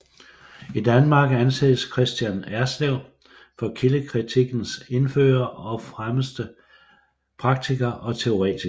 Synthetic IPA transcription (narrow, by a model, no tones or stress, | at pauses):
id̥ænmɑ̈ːɡ̥ænsḛːðˠəskʰʁɛsd̥jænæɐsleʊ̰ | fɒ̽kʰiləkʰʁit͡sʰiɡ̥n̩se̝nfø̰ːɐɒ̽fʁaməsd̥ə | pʰʁɑ̈ɡ̥̚t͡sʰiɡ̥ɐʔɒ̽t͡sʰe̝o̝ʁɛ̰ːt͡sʰi